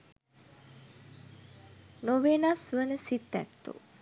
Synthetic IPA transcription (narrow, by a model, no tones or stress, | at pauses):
noʋenasʋənəsit̪ːæ̰t̪ːṵ